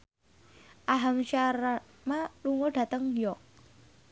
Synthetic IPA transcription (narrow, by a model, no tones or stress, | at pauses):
ʔaɦamʃaɾa | maluŋoɖ̥ä̤t̪əŋjɔʔ